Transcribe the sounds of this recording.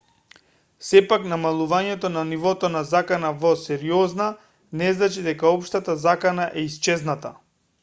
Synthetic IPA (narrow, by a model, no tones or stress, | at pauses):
sɛpaknamalˠuvaɲɛt̪ɔnanivɔt̪ɔnazakanavɔsɛɾiɔzna | nɛznat͡ʃid̪ɛkaɔpʃt̪at̪azakanaʔɛist͡ʃɛznat̪a